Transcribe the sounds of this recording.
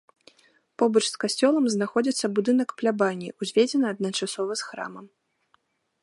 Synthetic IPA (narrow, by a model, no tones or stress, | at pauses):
pɔbɐt͡ʂskasʲt͡sʲɔlˠɐmznaxɔd͡zʲit̪sːɐbud̪ɨnɐkplʲabanʲːiʔuzʲvʲed͡zʲɛnɨɐd̪̚nɐt͡ʂasɔvɐsxɾa̰mɐm